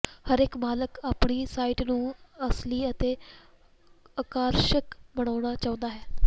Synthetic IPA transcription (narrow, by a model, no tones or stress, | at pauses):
həɾekbaːləkaːpɳiːsaːiʈnũːəsliːət̪eː | əkaːɾʃəkbəɽ̃aːʊñaːt͡ʃaːʊ̃nd̪aːɦɛː